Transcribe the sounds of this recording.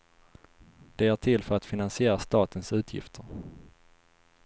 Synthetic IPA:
d̪̥ɛæːʈʰɪlfœɾat̪fɪnansɪeːɾast̪ɑːt̪ənsʉ̟ːt̪ʰjɪ̰ft̪ʰəɾ

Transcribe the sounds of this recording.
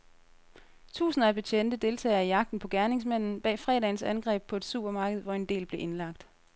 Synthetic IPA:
t͡sʰṵːsnɐæb̥e̝t͡ɕʰen̰d̥əd̥e̝lt͡sʰɛ̰ːɐijɑ̈ɡ̥̚d̥n̩pʰɒ̽ɡ̥æɐne̝ŋs̬mæn̰n̩b̥ɛ̰ːfʁɛ̰ːɾɛ̰ɪn̩sænɡ̥ʁɛ̰ːb̥̚pʰɒ̽e̝d̥sṵːb̥ɐmɑ̈ːɡ̥əð̞̩ˠʋɒe̝nd̥e̝̰ːlb̥le̝ʔe̝nlɑ̈ɡ̥d̥

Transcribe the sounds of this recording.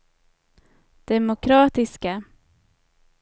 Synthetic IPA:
d̪̥ɛmʊkʰɾɑːt̪ɪska

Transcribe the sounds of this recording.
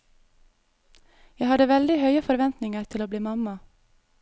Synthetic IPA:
jæɪhɑd̪əʋɛld̪ɪhœʏəfɔɾʋɛnt̪nɪŋəɾt̪ʰɪloːbliːmɑmɑ

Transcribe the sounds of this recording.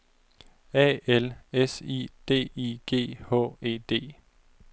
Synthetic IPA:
ɛ̰ːelesḭd̥e̝̰ːiɡ̥e̝̰ːhɔ̰̽ːe̝̰ːd̥e̝̰ː

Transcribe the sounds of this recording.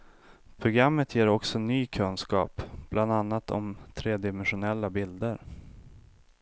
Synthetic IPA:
pʰɾʊɡɾamːət̪jeːɾɔksɔnyːkʰɵnskɑ̰ːpb̥lʔand̪anːat̪ʰɔ̰mt̪ʰɾeːd̪ɪmɛnɧʊnɛlːabɪld̪əɾ

